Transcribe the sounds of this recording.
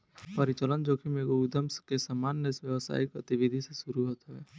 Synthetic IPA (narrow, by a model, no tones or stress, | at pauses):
pəɾɪt͡ʃələnd͡ʒoːkimeːɡoud̪əmskesəmaːnːeɪsʋjəʋsa̰ːipɾət̪ɪʋid̪ʱiseʃʊɾuɦoːt̪ɦɛː